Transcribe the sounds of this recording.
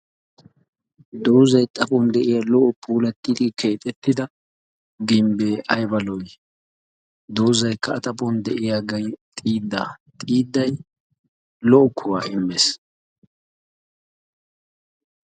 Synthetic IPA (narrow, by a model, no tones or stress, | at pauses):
d̪owzɐjt̪ʼɐpɔnd̪ɛʔɪjaːlɔʔɔpʰuːlɐt̪ʼːɪd̪ɪkʰe̞ːt̪ʼɛt̪ːɪd̪ɐ | ɡɪmbeːʔɐjbɐlɔj | d̪oːzɐjkːɐːt̪ʼɐpɔnd̪ɛʔɪjaːɡɐjt̪ʼiːd̪ːa̰ːt̪ʼiːd̪ːɐj | lɔʔɔkʰːʊwaːʔɪmːes